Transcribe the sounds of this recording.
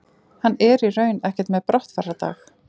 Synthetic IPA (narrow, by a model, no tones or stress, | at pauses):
hanːɛɾirœːɥnɛhcɛ̥t̪mɛðpɾɔht̪farat̪a̰ːx